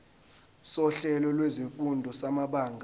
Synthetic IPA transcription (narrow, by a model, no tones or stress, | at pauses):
sɔɬɛlɔlweziɱfundʱɔsamaɓaːŋɡʱa